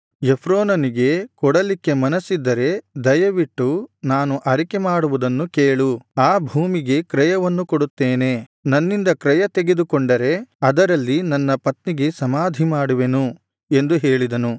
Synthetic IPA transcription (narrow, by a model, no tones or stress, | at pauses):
jepʰɾoːnɐniɡe̞kɔɽɐlikːe̞mɐnɐsːid̪ːɐɾe̞d̪ɐjɐʋiʈːunaːnuʔɐɾike̞maːɽuʋud̪ɐnːukeːɭuaːbʱuːmiɡe̞kɾɛjɐʋɐnːukoɽut̪ːeːne̞nɐnːind̪ɐkɾɛjɐt̪e̞ɡe̞d̪ukɔɳɖɐɾe̞ɐd̪ɐɾɐlːinɐnːɐpɐt̪niɡe̞sɐmaːd̪ʱimaːɽuʋe̞nu | e̞nd̪uɦe̞ːɭid̪ɐnu